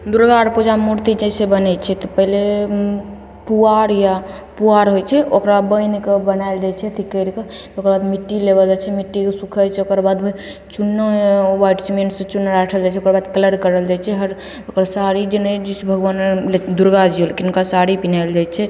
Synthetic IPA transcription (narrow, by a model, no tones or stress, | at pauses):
d̪uɾɡaɾpud͡ʒamuɾt̪id͡ʒɛsebənɛt͡ʃʰɛt̪ɔpəɦle | puaɾja | puaɾɦojt͡ʃʰɛʔokɾabəjnkebənaeld͡ʒajt͡ʃʰɛt̪ʰikəɾke | okəɾbad̪miʈːilebəld͡ʒat͡ʃʰɛmiʈːikesukʰət͡ʃʰɛokəɾbad̪me | t͡ʃunːəbaʈsimeɳʈsẽt͡ʃunːəɾaʈʰəld͡ʒat͡ʃʰɛokɾbad̪kələɾkəɾəld͡ʒajt͡ʃʰɛɦəɾ | okɾasaɾid͡ʒened͡ʒisbʱəɡwanled̪uɾɡad͡ʒiolkinkasaɾipinald͡ʒajt͡ʃʰɛ